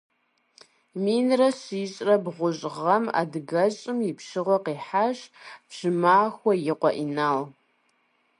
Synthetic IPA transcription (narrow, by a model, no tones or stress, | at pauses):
minrɐɕiːɕʼrɐbʁʷʊɕʼʁɐma̰dɡɐɕʼɨmɪpʰʂɨʁaqiːħaʃpɕɨmaːxʷɐjɪqʷʼɔʔinal